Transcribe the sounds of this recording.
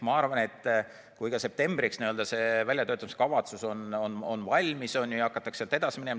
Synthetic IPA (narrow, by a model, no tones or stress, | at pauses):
mɑɑrvɑne̞t̪ː | kujkɑse̞p̚t̪e̞mbriksniø̞ld̪ɑse̞vælʲjɑt̪øːt̪ɑmiskɑvɑt̪suso̞no̞no̞nvɑlʲmisonjujɑɑkːˑɑt̪ːˑɑkselt̪e̞d̪̥ɑsi̥minem